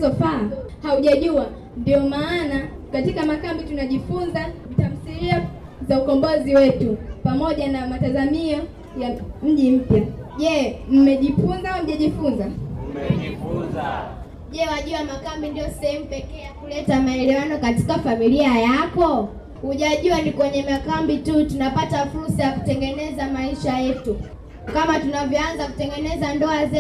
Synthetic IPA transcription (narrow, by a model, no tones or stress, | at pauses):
zɔfahauʄaʄua | ndiɔmaːna | katikamakambitunaʄifunza | tam̩θilia | zaukɔmbɔziwɛtupamɔʄanamatazamia | jam̩ʄim̩pjaʄɛm̩mɛʄifunzaum̩ʄaʄifunza | ʄɛwaʄuamakambindijɔsɛhɛm̩upɛkɛːjakulɛtamaɛlɛwanɔkati̥kafamiliajakɔ | huʄaʄuanikwɛɲɛmakambitutunapatafuɾsajaku̥tɛŋɡɛnɛzamaiʃajɛtu | kamatunavjɔanzaku̥tɛŋɡɛnɛzandɔazɛ